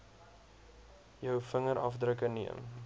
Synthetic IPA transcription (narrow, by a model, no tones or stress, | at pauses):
jœwfəŋəɾʔɐfdrəkəniə̰m